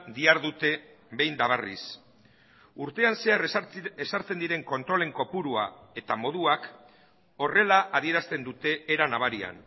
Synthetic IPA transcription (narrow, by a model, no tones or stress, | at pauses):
d̪iaɾðut̪e̞ | βe̞jnd̪aβ̞arḭs | uɾt̪e̞anse̞are̞saɾt͡send̪iɾe̞ŋko̞nt̪ɾo̞le̞ŋko̞puɾua̰e̞t̪amo̞ð̞uak | o̞re̞laʔaðie̞ɾast̪e̞nd̪ut̪e̞ːɾanaβ̞aɾia̰n